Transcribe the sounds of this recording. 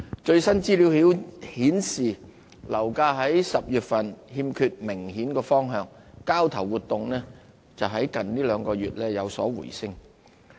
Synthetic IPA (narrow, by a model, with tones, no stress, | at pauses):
t͡ʃɵ˧ɥsɐ˥nt͡siː˥li˨˥whiː˨˥whiː˨˥nsiː˨ | lɐ˨˩wkaː˧ɦɐ˨˥jsɐ˨p̚jyː˨t̚fɐ˨nhiː˧mkʰyː˧t̚mɪ˨˩ŋhiː˨˥nkɔː˧fɔː˥ŋɦœː˧ŋkaː˥wt̪ʰɐ˨˩wuː˨t̪ʊ˨ŋnɛː˥ | t͡sɐ˨wɦɐ˨˥jkɐ˨nliː˥lœː˨˧ŋkɔː˧ɥyː˨t̚lɛː˥jɐ˨˧wsɔ̰ː˨˥wṵ˨˩jsɪ˥ŋ